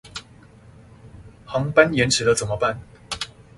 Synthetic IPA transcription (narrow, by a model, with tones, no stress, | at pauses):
xɑ˨˧˥ŋpa˥njɛ˧˦nʈ͡ʂ̩ʰ˨˥d̪ə˦t͡sə˨˩nmə˦pa˥˨n